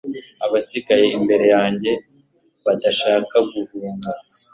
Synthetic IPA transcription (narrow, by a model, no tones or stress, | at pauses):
aβasiɡaje̞imbe̞ɾe̞jaːɲɟe̞ | βadaʃaːkaɡuvuːŋɡa